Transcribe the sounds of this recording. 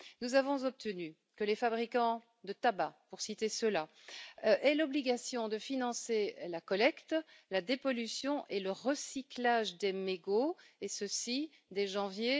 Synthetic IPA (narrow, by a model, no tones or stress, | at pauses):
nuzavɔ̃zɔp̚t̪ʰəny | kəlefabʁikɑ̃ | d̪ət̪abapuʁsit̪esəla | ʔɛlɔbliɡasjɔ̃d̪əfinɑ̃selakɔlɛkt̪lad̪epɔlysjɔ̃ʔeləʁəsiklaʒd̪emeɡoesəsi | d̪eʒɑ̃vje